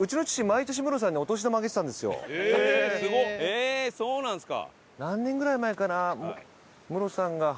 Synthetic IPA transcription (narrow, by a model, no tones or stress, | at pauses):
ɯ̟t͡ɕino̞t͡ɕi̥ɕimait̪o̞ɕ̬imɯ̟ɾo̞s̬ãɲ̟ːio̞t̪oɕ̬id̪omaɡeet̪ãnd̪e̞sɨjo̰ | ɡoesoːnãsɨ̥ka̰ | nãnːẽ̞ŋɡɯ̟ɾaimaekanam | mɯ̟ɾo̞sãŋɡa